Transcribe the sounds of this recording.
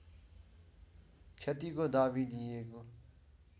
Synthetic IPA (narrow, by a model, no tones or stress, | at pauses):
t͡ʃʰət̪iːkoːd̪aːʋiːd̪iːeːkoː